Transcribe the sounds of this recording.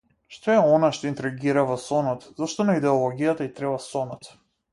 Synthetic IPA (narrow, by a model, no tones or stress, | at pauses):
ʃt̪ɔɛɔnaʃt̪ɔint̪ɾiɡiɾavɔsɔnɔt̪zaʃt̪ɔnaid̪ɛɔlˠɔɡijat̪ait̪ɾɛbasɔnɔt̪